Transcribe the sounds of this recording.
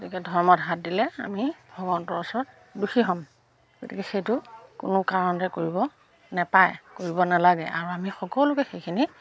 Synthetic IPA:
ɡotikɛdʱɔɹmɔtɦat̚dilɛa̰mibʱɔɡɔntɔɹɔsɔɹɔt̚ | duxiɦɔm | ɡotikɛxejtʊkʊnʊkaɹɔntɛkoɹibɔ | nɛpajkoɹibɔnalaɡɛʔa̰ɹuamixɔkɔlʊkɛxejkʰini

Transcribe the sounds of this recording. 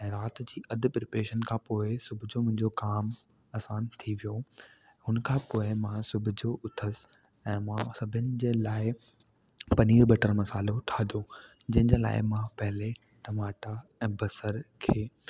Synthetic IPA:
ɛ̃ːɾaːt̪d͡ʑiːʔɐd̪ʱɪ̆pɪɾpeːʃənkʰãːpoːɪsʊbʱʊd͡ʑomʊ̃ɦɪ̃ɲd͡ʑokaːm | ɐːsãːnt̪ʰiʋijo | ɦʊnkʰãːpoːɪmãsʊbʱʊd͡ʑoʔʊt̪ʰəs | ɛ̃ːmãsɐbʱənɪ̆d͡ʑeːlaːɪ | pɐniːɾbɐʈəɾmɐsaːloʈ̪ʰaːd̪ʱo | d͡ʑɐ̃ɦɪ̃d͡ʑeːla̰ːɪmãpɐɦɪle | ʈɐmaːʈaɛ̃ːbɐsəɾkʰeː

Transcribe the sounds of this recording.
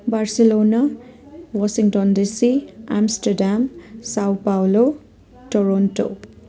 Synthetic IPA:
barselona | wasiŋʈɔndisiamsʈaɾɖamsawpawlo | ʈoɾonʈo̰

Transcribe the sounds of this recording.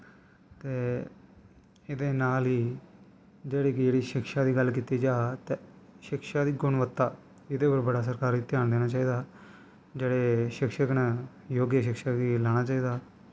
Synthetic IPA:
t̪eː | ɪd̪eːnaːlɦiː | d͡ʒeːɽiːkɪd͡ʒeːɽiːʃɪkʃaːd̪iːɡəlk̬iːt̪iːd͡ʒaːt̪eːʃɪkʃaːd̪iːɡʊɳʋət̪ːaː | ɪd̪eːpəɾbəɽaːs̬əɾkaːɾit̪eːaːnd̪eːnaːt͡ʃaːiːd̪aː | d͡ʒeːɽeːʃɪkʃəknɛː | joːɡjəʃɪkʃaːkiːlaːɽ̃aːt͡ʃaːiːd̪aː

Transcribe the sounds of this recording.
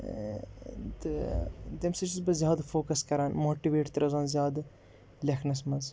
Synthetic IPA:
t̪ɨd̪emsɐt͡ʃizbɐzʲjaːd̪fʰoːkɐskɐɾaːnmoːʈiʋeːʈt̪ɐɾɐzaːnzjaːd̪ | lʲɐkʰnɐsmɐz

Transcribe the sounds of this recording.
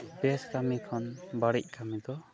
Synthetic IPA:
bɛskamikʰɔnbaɽic̚kamid̪ɔ

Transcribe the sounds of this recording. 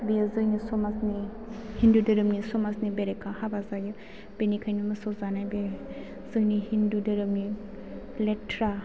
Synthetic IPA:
bezɯjnisɔmasni | hindudɯɾɯmnisɔmasnibeɾekʰahabazajɯ | b̥enikʰajnumɯsɔzanajbe | zɯjnihindudɯɾɯmni | letʰɾa

